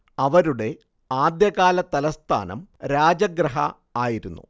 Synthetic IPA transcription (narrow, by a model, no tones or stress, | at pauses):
ɐʋɐɾuɽe̞ | aːd̪jɐɣaːlɐt̪ɐlɐst̪ʰa̰ːnɐ̰mɾaːd͡ʑɐɡɾɐɦɐ̰ | aːjiɾunːṵ